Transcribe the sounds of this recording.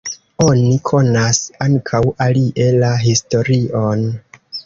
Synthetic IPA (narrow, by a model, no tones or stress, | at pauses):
o̞nikʰo̞nasaŋkʰawaliʔe̞laɦisto̞ɾion